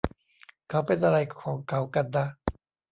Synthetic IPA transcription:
kʰa˦˥wpe˧nʔa˧ɾa˧jkʰɔː˩˦ŋkʰa˨˦˥wka˧nːa˦˥

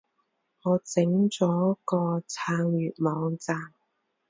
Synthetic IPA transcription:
ŋɔː˨˧t͡sɪ˨˥ŋt͡sɔː˨˥kɔː˧t͡sʰaː˧ŋɥyː˨t̚mɔː˨˧ŋt͡saː˧m

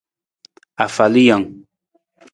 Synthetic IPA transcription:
a˨fa˨li˦ja˨ŋ

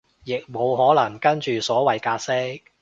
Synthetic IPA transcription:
jɪ˨k̚mo˨˧wɦɔː˨˥lɐ˨˩ŋkɐ˥nt͡ʃyː˨sɔː˨˥wɐ˨jkaː˧t̚sɪ˥k̚

